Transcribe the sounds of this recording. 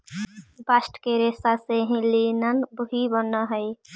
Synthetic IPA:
basʈkeɾesaseɦĩlinənbəɦibənəɦəj

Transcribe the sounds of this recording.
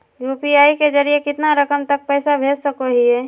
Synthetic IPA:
juːpiaːiked͡ʒəɾiekɪt̪naɾəkəmt̪ək̚pɛːsabʱeːd͡ʒsəkoɦiɦɛː

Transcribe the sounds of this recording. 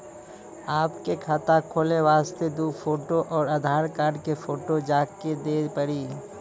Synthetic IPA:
aːpkekʰaːt̪akʰoːleʋaːst̪ed̪uːfʰoːʈoʔɔːɾəd̪ʱaːɾkaːɾɖkefʰoːʈod͡ʒaːked̪eːpəɾiː

